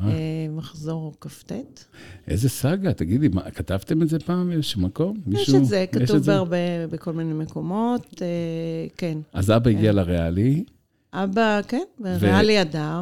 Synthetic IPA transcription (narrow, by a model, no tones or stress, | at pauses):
amaχzo̞ʁkaftet̪ʔezesaɡat̪aɡid̪lima̰kat̪avt̪e̞mezepaːmezeʃumːako̞mːiʃeʃuezekajetuevbeaʁbebeko̞lminejmeko̞mo̞tekena̰zabaiɡialaʁeali | ʔabakenbeʁvealiadaʁ